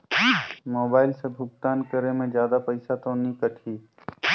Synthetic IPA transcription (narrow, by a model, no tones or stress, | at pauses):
moːbaːɪlsebʱʊɡ̚t̪aːnkəɾemẽd͡ʒjaːd̪apəɪsat̪onĩkəʈʰiː